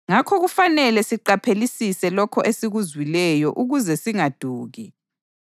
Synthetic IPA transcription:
ŋakʰɔɣufanɛlɛsiǃapʰelisisɛlɔkʰɔʔesiɣuzwilɛjɔʔuɣuzɛsiŋad̥ʱuːɣi

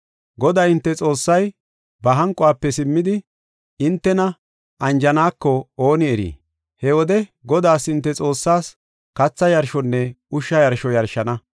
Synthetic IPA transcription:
ɡɔd̪aːɪnt̪ːɛt͡sʼo̞ːsːɐj | bɐɦɐŋkʼːɔaːpːɛsɪmːɪd̪ɪ | ɪnt̪ːɛnɐ | ʔɐnd͡ʒɐnaːkːɔoːnɪɛɾḭː | hɛwɔd̪ɛɡɔd̪aːsɪnt̪ːɛt͡sʼo̞ːsːaːs | kɐt͡sːɐjɐɾʃɔnːɛ | ʊʃːɐjɐɾʃɔjɐɾʃɐnɐ

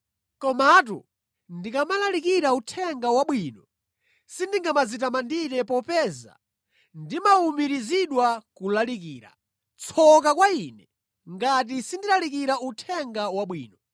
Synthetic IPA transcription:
kɔmat̬ṵ | ndikamalalikiɾautʰɛŋɡawaɓwiːnɔ | sindiŋɡamazit̬amandiɾɛpɔpɛza̰ | ndimaumiɾiziɗwakulalikiːɾa̰ | t͡sʰɔk̬akwainɛ | ŋɡat̬isindilalikiɾautʰɛŋɡawaɓwḭːnɔ

